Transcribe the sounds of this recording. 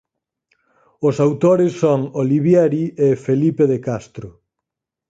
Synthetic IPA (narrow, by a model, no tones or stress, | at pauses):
ʊsawt̪oɾɪsːoŋoliβjɛɾiefelipeðekast̪ɾʊ